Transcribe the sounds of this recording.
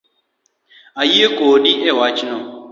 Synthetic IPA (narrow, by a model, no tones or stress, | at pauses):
ajiekoːɗiʔewat͡ʃinɔ